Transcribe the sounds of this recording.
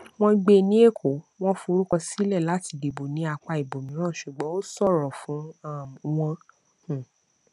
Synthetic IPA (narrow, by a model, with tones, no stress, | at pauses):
w̃ɔ̃˦ɡ͡be˧nĩ˦e˦˨kʰo˨˦ | w̃ɔ̃˦fu˧ɾo˦kɔ˧si˦lɛ˦˨la˨˦ti˧˨de˨bo˨nĩ˨˦a˧k͡pa˧i˨bo˨mĩ˨˦ɾ̃ã˦˨ʃu˨ɡ͡bɔ̃˨˦o˦sɔ˦˨ɾɔ˨fũ˨˦˨w̃ɔ̃˧˨